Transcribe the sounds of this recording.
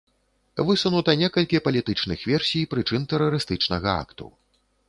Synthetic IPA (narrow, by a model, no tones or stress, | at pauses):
vɨsunut̪ɐnʲɛkɐlʲkʲipɐlʲit̪ɨt͡ʂnɨxvʲɛrsʲijpɾɨt͡ʂɨnt̪ɛɾɐɾɨst̪ɨt͡ʂnɐɣɐa̰kt̪ṵ